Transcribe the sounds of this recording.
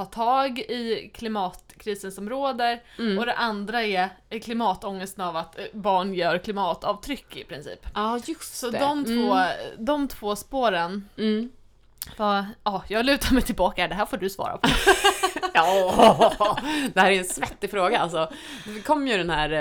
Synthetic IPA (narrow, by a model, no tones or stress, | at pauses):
ɑːt̪ʰɑːɡɪkʰlɪmɑːt̪kʰɾiːsənsɔmɾoːd̪əɾɔd̪ɛʔand̪ɾaɛkʰlɪmɑːt̪ɔŋːəst̪navat̪bɑːɳjœːɾkʰlɪmɑːt̪ɑːvt̪ʰɾʏkːɪpʰɾɪnsḭːpɑjɵssɔd̪ɔmt̪voːd̪ɔmt̪ʰv̥oːspoːɾən | vaɑːjɑːɡlʉ̟ːt̪aɾmɛjt̪ʰɪlbɑːkaɖ̪ɛɦæːɾfoːɖɵsvɑ̰ːɾa̰pʰɔ | ɑ | d̪̥ɛhæːɾæɛnsvɛt̪ːɪfɾoːɡaa̰lsɔ | kʰɔmːjɵɖ̪ɛnhæːɾ